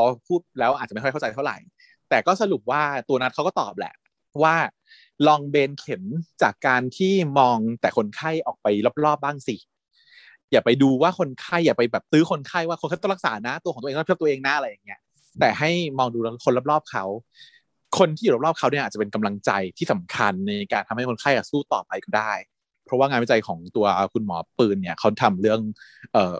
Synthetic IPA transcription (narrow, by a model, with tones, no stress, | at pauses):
ɔ˧pʰuː˥˩t̪̚lɛː˦˥wʔaː˨˩a˨˩ma˥˩˥t͡ɕa˧jt̪ʰa˥˩wɾa̰˨˩j | t̪ɛː˨˩kɔː˥˩sa˧lu˨˩p̚waː˥˩t̪u˧na˦˥t̪̚ʰwkɔː˥˩t̪ɔ̰ː˨˩p̚lɛ̰˨˩ʔʰ | waː˥˩ | lɔː˧ŋbeː˧nkʰe˨˩˦nt͡ɕaː˨˩kːaː˧nt̪ʰiː˥˩mɔː˧ŋt̪ɛː˨˩kʰo˧nkʰa˥˩jʔɔː˨˩k̚pa˧jla˦˥p̚lɔː˥˩p̚baː˥˩ŋsi˨˩ | jaː˨˩pa˧jduː˧waː˥˩kʰo˧nkʰa˥˩jːaː˨˩pa˧jbɛː˨˩p̚t̪ɯː˦˥kʰo˧nkʰa˥˩jwa˥˩o˧nkt̪ːla˥k̚sa̰ː˩˦na˦˥t̪u˧xt̪̚ːʰt̪u˧ʔeː˧ŋnaː˦˥ʔa˧ɾa˧jːa˨˩ŋːi˦˥ɐ | t̪ɛː˨˩ha˥˩jmɔː˧ŋduː˧la˦˥kʰo˧nla˦˥p̚lɔː˥˩p̚kʰa˦˥w | kʰo˧nt̪ʰiː˥˩˨l̚lɔː˥˩p̚kʰa˦˥wni˥˩ʔaː˨˩t͡ɕpe˧nka˧mla˧ŋt͡ɕa˧jt̪ʰiː˥˩sa˩˦mkʰa˧nːa˧kaː˧nt̪ʰa˧mha˥˩ko˧nkʰa˥˩jʔaː˨˩suː˥˩t̪ɔː˨˩pa˧jka˥˩daː˥˩j | pʰɾɔ˦˥waː˥˩a˧nwa˦˥˩t͡ɕa˧jkʰɔː˩˦ŋt̪u˧ɐkʰu˧nmɔː˩˦pɯː˧nːi˥˩ɐkʰa˦˥wt̪ʰa˧mɾɯ˥˩əŋʔɤː˨˩